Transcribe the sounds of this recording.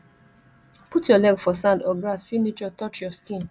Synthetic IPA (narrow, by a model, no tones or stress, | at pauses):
putʰjɔlɛɡfɔsãndɔɡɹasfinit͡ʃɔtɔt͡ʃjɔskĩn